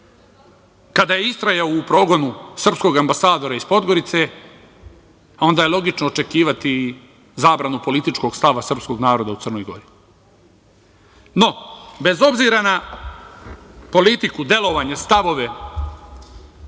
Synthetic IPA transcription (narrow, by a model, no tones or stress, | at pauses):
kad̪ajeist̪ɾajaoupɾo̞ːɡo̞nusr̩psko̞ɡambasaːd̪o̞ɾaispo̞d̪ɡo̞ɾit̪se̞ | o̞nd̪ajelˠo̞ɡit͡ʃnoːt͡ʃe̞kiːʋat̪i | zaːbɾanupo̞lit̪it͡ʃko̞ɡ̥st̪aʋasr̩psko̞ɡnaːɾo̞d̪aut̪srno̞jɡo̞̰ɾi | no̞be̞zo̞bziɾana | po̞lit̪ikud̪e̞lˠo̞ʋaːɲest̪aʋo̞ʋe̞